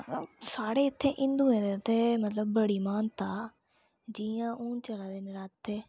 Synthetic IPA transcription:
saːɽeːɪt̪ʰːẽːʔɪ̃nd̪ʊẽːd̪et̪ʰːeːmət̪ləbːəɽiːmaːnt̪aː | d͡ʒijãːʔʊːnt͡ʃəlãːd̪eːnɪɾaːt̪ʰːeː

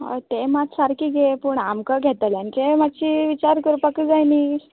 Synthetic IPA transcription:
ɦa̰t̪emat̪saɾkiːɡʱepəɳamkəɡʱet̪alankemat͡ɕiʋit͡ɕaɾkəɾupakəd͡zajni

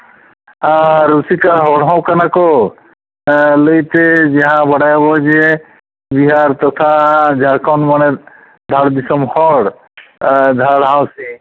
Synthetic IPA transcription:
ãɾusikaɦɔɽɦãw̃kanakɔ | ləjt̪ed͡ʒeɦãbɔɽajabɔd͡ʒe | biɦaɾt̪ɔt̪ʰad͡ʒʱaɽkʰɔnmanɛ | d̪ʱaɽb̪isɔmhɔɽ | d̪ʱaɽɦãwsi

